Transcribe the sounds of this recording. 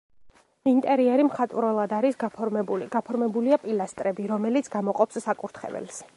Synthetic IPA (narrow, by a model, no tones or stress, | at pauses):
int̪ʼɛɾiɛɾimχat̪ʼvɾɔlˠad̪aɾisɡapʰɔɡ̥apʰɔɾmɛbuliapʼilast̪ʼɾɛbiɾɔmɛlit̪sʰɡamɔqʼɔpsːakʼuɾt̪ʰχɛ̰vɛ̰ls